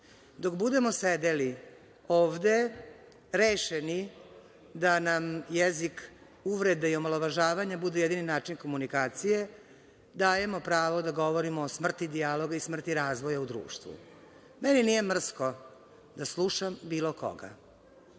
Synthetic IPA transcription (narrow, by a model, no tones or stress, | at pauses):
d̪okbud̪e̞mo̞sed̪eli | oːʋd̪e̞ | ɾeːʃeni | d̪anamjezik | uʋɾe̞d̪aio̞moloʋaʒaːʋaɲabud̪eje̞d̪ininaːt͡ʃinko̞munikaːt̪sije̞ | d̪aːje̞mo̞pɾaːʋod̪aɡo̞ʋo̞ɾimoːsmr̩t̪id̪ialo̞ɡaismr̩t̪iɾaːzʋojaud̪ɾṵːʃt̪ʋṵ | meninije̞mr̩sko | d̪aslˠuʃambiːlo̞ko̰ɡa̰